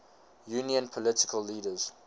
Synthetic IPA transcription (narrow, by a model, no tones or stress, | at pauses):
juːniə̃npʰɔlɪtɪ̥kʰəlːiːdəz̥